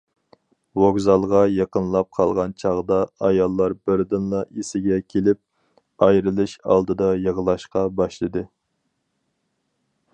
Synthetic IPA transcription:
woɡzɑlˠʁɑjɑqənlˠɑp̚qʰɑlˠʁɑnt͡ʃʰɑʁd̪ɑɑjɑlˠːɑɾbɪɾd̪ɨnlˠɑisɪɡʲɛkʲʰelɪp̚ | ɑjɾɨlˠɨʃɑ̰lˠd̪ɨd̪ɑjəʁəlˠɑʃqɑbɑʃlˠɨd̪ɨ

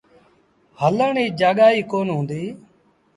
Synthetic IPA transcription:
hələɳiːd͡ʒaːɠaːiːkoːnɦũːnd̪iː

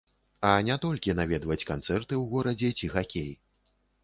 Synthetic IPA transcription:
ɐnʲat̪ɔlʲkʲinavʲɛd̪vɐt͡sʲkant̪sɛrt̪ɨwɣɔɾɐd͡zʲɛt͡sʲiɣakʲej

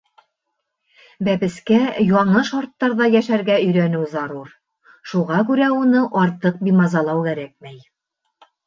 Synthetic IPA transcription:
bæβɘ̆skæjɑɴɤʃɑɾt̪ːɑɾðɑjæʃæɾɡæɵ̆jɾænɘwzɑɾuɾ | ʃuʁɑkʉɾæunɤʔɑɾt̪ɤq̚bimɑzɑlˠɑwkæɾæk̚mæj

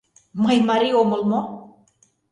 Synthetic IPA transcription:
majmaɾioməlmo

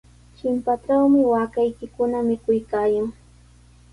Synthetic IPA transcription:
t͡ʃɪmpaʈ͡ʂawmɪwaːkajkɪkʊnamɪkʊjkaːjaŋ

